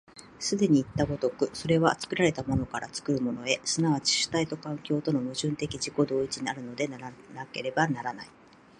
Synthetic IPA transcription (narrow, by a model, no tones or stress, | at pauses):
sɨd̪e̞ɲ̟iːt̪ːaɡo̞t̪o̞kɯ̟so̞ɾe̞βat͡sɨ̥kɯ̟ɾaɾe̞t̪amo̞no̞kaɾʔa̰t͡sɨ̥kɯ̟ɾɯ̟mo̞no̞e̞sɨnaβat͡ɕi̥ɕɨ̥t̪ait̪o̞kãŋkʲo̞ːt̪o̞no̞mɯ̟ʑɨ̃nt̪e̞kʲiʑiko̞d̪o̞ːit͡ɕiɲ̟iaɾɯ̟no̞d̪e̞nanake̞ɾe̞banaɾanai